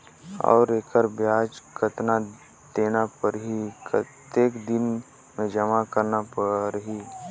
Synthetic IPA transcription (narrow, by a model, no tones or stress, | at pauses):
ɔ̰ːɾeːkʰəɾbjaːd͡ʒkʰət̪na | d̪̥eːnapəɾɦikt̪eːkd̪ɪn | mẽd͡ʒəmakəɾnapəɾɦi